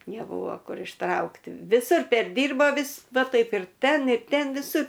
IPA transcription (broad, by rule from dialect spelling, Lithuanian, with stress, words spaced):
nʲɛˈbʊʋoː ˈkʊr ɪʃˈtrɐʊktʲɪ ʋʲɪˈsʊr pʲɛrʲˈdʲiːrboː ˈʋʲɪs ˈʋɐ ˈtɐɪp ɪr ˈtʲɛn ɪr ˈtʲɛn ʋʲɪˈsʊr